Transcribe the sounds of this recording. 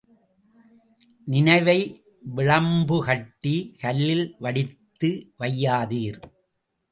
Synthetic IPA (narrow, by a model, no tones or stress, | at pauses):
nɪnɐɪʋɐɪ | ʋɪɻɐmbɯhɐʈːikɐlːɪlʋɐɽɪt̪ːɯʋɐjːaːðiːɾ